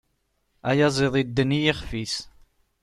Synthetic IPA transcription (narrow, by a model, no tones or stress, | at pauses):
æjɑzˤeðˤid̪ːənːijiχfis